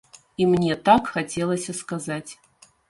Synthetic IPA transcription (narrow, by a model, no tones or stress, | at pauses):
imnʲɛt̪akxat͡sʲɛlˠɐsʲɐskazat͡sʲ